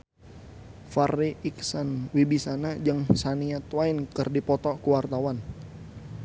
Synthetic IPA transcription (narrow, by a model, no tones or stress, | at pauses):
fariʔiksənwibisanad͡ʒaŋsaniat̪wainkərdipɔt̪ɔkuwart̪awan